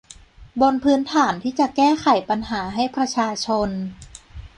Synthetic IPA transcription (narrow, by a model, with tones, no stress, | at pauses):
bo˧npʰɯː˦˥nt̪ʰaː˩˦nt̪ʰiː˥˩t͡ɕa˨˩kɛː˥˩xʰa˨˩˦jpa˧nɦaː˩˦ɦa˥˩jpʰɾa˧t͡ɕʰaː˧t͡ɕʰo˧n